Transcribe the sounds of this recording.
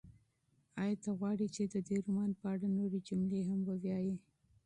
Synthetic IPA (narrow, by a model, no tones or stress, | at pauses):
ɑjɑt̪aɣwɑɽit͡ʃed̪əd̪eɾumɑnpəaɽanoɾed͡ʒʊmleɦambəwjɑji